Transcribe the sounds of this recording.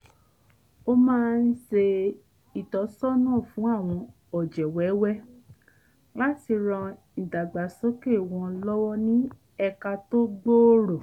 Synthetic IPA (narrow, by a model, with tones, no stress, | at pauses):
o˦mãː˦˧n̩˦ʃe˧ | i˨tɔ˨˦sɔ˦nãː˦˨fũ˨˦a˦˨w̃ɔ̃˧ | ɔ˨d͡ʒɛ˨wɛ˨˦wɛ˦ | la˦ti˧ɾɔ̃˧ | i˨da˨ɡ͡ba˨so˦ke˦˨w̃ɔ̃˧lɔ˦wɔ˦nĩ˦ | ɛ˧ka˧to˦ɡ͡bo˦ɾo˨